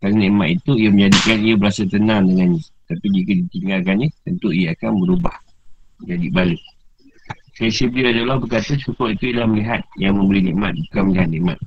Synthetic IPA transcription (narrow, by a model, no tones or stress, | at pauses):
kananĩʔmat̪̚it̪uijamə̃ɲd͡ʒadikanijabəɾasat̪ənãŋdəŋanɲat̪apid͡ʒikadit̪iŋalkannit̪ənt̪uiaakanbəɾubah | d͡ʒadibalek̚ | sasəbliuadalahbəkat̪asukɔʔit̪uilahməliɦat̪̚jaŋmə̃mbəlinḭ̃ʔmat̪̚bukanməliɦat̪̚nĩʔma̰t̪̚